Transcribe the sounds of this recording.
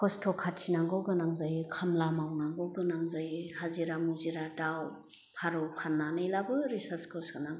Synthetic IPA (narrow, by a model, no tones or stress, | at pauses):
kɔstʰɔkʰatsʰinaŋɡɔɡɯnaŋzajkʰamlamawnaŋɡɔɡɯnaŋzajhaziɾamuziɾataw | pʰaɾɔwpʰanːanɯjlabɯɾisaɾskʰɔsɡɯnaŋ